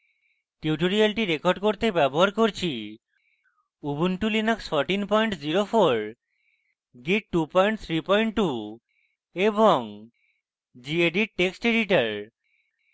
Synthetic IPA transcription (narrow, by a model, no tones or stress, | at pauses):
ʈiuʈoɾialʈiɾekoɾɖkoɾt̪ebɛboɦaɾkoɾt͡ɕʰi | ubunʈulinaksfɔɾʈinpɔjɳʈd͡ʑiɾofoɾ | ɡiʈʈupɔjɳʈ̚t̪ʰɾipɔjɳʈʈːu | eboŋ | d͡ʑieɖiʈeksʈeɖiʈaɾ